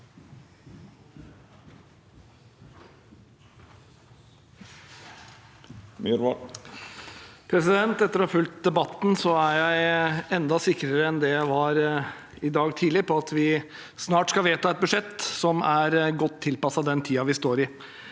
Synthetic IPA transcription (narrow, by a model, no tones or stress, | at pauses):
mɾ | pʰɾɛsɪd̪ɛnt̪ɛt̪ːəɾɔhɑːfʉlt̪̚d̪ɛbɑt̪ːn̩sɔæɾjæɪɛnd̪ɑsɪkːɾəɾəɛnd̪ɛjæʋɑɾ | ɪd̪ɑːɡt̪ʰiːdlɪpʰɔɑt̪ʰʋɪ | snɑːʈskɑlʋeːt̪ɑɛt̪̚bʉʂɛt̪ːsɔmæɾɡɔt̪ʰːɪlpɑsɑd̪ɛnt̪ʰiːɑʋɪst̪oːɾɪ